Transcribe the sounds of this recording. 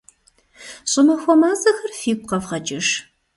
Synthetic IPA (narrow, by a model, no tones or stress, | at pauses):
ɕʼʊmɐxʷɔmɐzɐxɐrfiːk̚ʷʰʼqɐvʁɐt͡ʃʼɪʂ